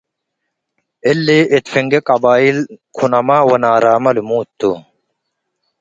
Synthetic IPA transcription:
elːeʔit̪fiŋɡekɐbaːilkʰunɐmaːwɐnaːɾaːmɐlmuːt̪ːu

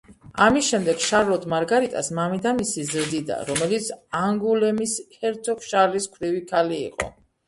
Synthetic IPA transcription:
amisʃɛmd̪ɛɡʃaɾlɔd̪ʰmaɾɡaɾit̪ʼa̰smamid̪amisizɾd̪id̪a̰ɾɔmɛlit̪sʰaŋɡulɛmishɛɾt̪ʰɔkʰʃaɾliskʰvɾivikʰalḭːqʼɔ̰

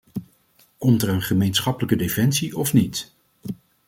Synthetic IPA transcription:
kɔmtəɹənχəmejnsχɑpələkədefɛnsiʔɔfnit

